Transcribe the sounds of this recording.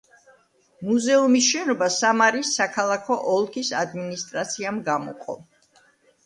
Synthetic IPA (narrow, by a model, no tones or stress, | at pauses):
muzɛumis̬ʃɛnɔbasamaɾisːakʰalˠakʰɔʔɔlˠkʰisad̪minist̪ʼɾat̪sʰiamɡamɔ̰qʼɔ̰